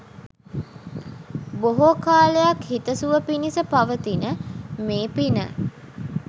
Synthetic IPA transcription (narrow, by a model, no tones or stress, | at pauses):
boɦokaːləjakhit̪əsuʋəpinisəpaʋət̪inəmeːpinə̰